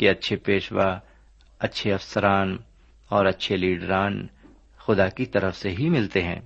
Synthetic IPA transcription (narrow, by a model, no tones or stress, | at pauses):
keɐtːʃʰepeːʃʋa | ɐtːʃʰeɐfsəɾaːn | ɔːɾɐtːʃʰeliːɖɾaːn | xʊd̪akit̪ɐɾəfseɦimɪlt̪eɦɛ̰̃ː